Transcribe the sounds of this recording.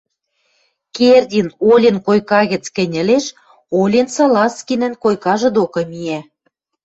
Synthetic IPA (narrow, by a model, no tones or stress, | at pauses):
kerd̪ʲinolʲenkojkɑɣə̆t͡skɘ̆nʲɘ̆leʃ | olʲensɑlɑskʲinə̆nkojkɑʒɤ̆d̪okɤ̆mie